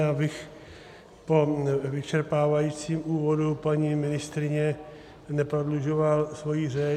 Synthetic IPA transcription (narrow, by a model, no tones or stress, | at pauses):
abɪx | po̞vɪt͡ʃɛɾpaːvajiːt͡siːmʔuːvo̞dupaɲimɪnɪst̪ɾɪɲɛ | nɛpɾodluʒovalsvo̞jiːrɛ